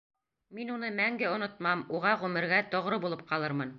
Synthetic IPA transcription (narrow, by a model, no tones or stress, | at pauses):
minun̪ɤmæŋɡɘŏnŏt̪̚mɑmuʁɑʁʉmɘ̆ɾɡæt̪ŏʁɾɤbulˠɤp̚qɑlˠɤɾmɤn